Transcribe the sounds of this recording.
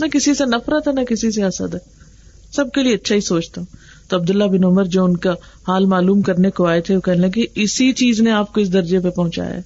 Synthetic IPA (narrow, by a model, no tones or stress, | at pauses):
nɐkɪsisenɐfɾət̪ɦɛnɐkɪsis̬easə̰t̪ɦɛː | sɐb̚kelieɐtːʃʰaɦisoːt͡ʃt̪ã | t̪oɐb̚d̪ʊlːabɪnʊməɾd͡ʒoːʊnka | haːlmaːluːmkɐɾnekoaːet̪ʰeokɛɦnelɐɡeɪsit͡ʃiːzneaːp̚koɪs̬d̪ɐɾd͡ʒep̬epɐɦʊ̃t͡ʃa̰ːja̰ː